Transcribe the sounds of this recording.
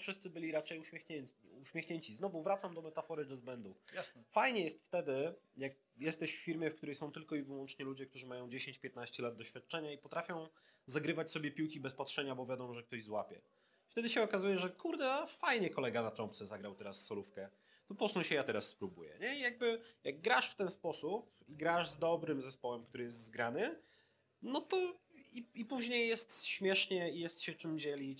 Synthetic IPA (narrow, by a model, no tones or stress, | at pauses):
fʂɘst̪sɘbɘlʲiɾat͡ʂɛjuɕmʲjexɲɛɲt͡ɕuɕmʲjexɲeɲt͡ɕiznɔvuvɾat̪samd̪ɔmɛt̪afɔɾɘd̪ɔzbɛnd̪ujasɛfajɲɛjɛst̪ft̪ɛd̪ɘjak̚ | jɛst̪ɛɕfʲːiɾmʲjɛfk̚t̪uɾɛjsɔ̃w̃t̪ɘlkɔivɘwɔnt͡ʂɲɛlud͡ʑɛk̚t̪uʐɘmajɔ̃w̃d͡ʑeɕẽɲt͡ɕpʲjɛt̪naɕt͡ɕɛlad̪̚d̪ɔɕfʲjat̪̚t͡ʂɛɲaipɔt̪ɾafʲjɔ̃w̃zaɡɾɘvat͡ɕsɔbʲjɛpʲiwkʲibɛspatʂɛɲabɔvʲjad̪ɔmɔʐɛk̚t̪ɔʑzwapʲɛ̰ | ft̪ɛd̪ɘɕɛɔkazujɛʐɛkʰuɾd̪ɛafajɲɛkɔlɛɡanat̪ɾɔmpt̪sɛzaɡɾawt̪ɛɾasːɔlufkɛ | t̪upɔsnɔwɕɛjat̪ɛɾasːpɾubṵjɛ̰ɲɛijaɡ̚bɘjaɡ̚ːɾaʂft̪ɛnspɔsupiɡɾaʐzd̪ɔbɾɘmzɛspɔwɛmkt̪uɾɘjɛst̪zɡɾanɘ | nɔt̪ɔiipuʑɲejːɛst̪ɕmʲjɛʂɲɛijɛst̪ɕɛt͡ʂɘmd͡ʑɛlʲit͡ɕ